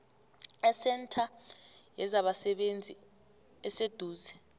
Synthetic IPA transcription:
ɛsɛntʰajɛzaɓasɛɓend͡zʱi | ɛsed̥ʱuːzɛ

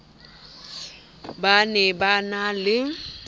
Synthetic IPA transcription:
banɛbanalɪ

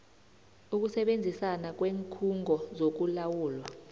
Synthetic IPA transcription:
uk̬usɛɓend͡zʱisanak̬weːŋkʰuŋʱɔzok̬ulawuːlwa

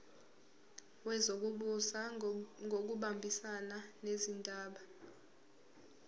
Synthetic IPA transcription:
wɛzok̬uɓusaŋɡʱok̬uɓambʱisananezindʱʼaːɓa

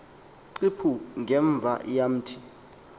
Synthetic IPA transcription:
ǀipʰuŋɡʱɛɱb̪vʱa̰jam̩tʰi̥

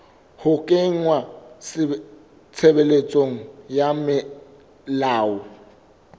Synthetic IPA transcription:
hʊkʼɪŋ̩wasɪ | t͡sʰebelet͡sʼoŋ̩jamɪ | laːʊ

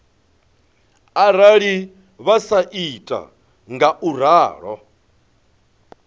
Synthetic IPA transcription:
aɾaɺi | βasaʔitʼa̰ | ŋɡaʔuɾaːɺɔ

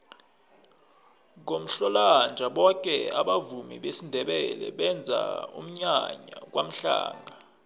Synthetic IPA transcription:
ŋkom̩ɬɔland͡ʒʱaɓɔk̬ʼɛaɓavumḭɓesindʱɛɓɛlɛ̰ɓɛnd͡zʱa̰ṵm̩ɲaɲak̬wʔam̩ɬa̰ːŋɡʱa

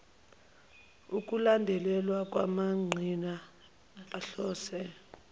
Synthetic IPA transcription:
uk̬ʼulandʱɛlɛlwak̬ʼwa̰maŋ͡ǀʱina | aɬɔːsɛ

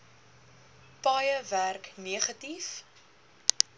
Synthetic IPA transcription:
pɑjəværkniəχɐtif

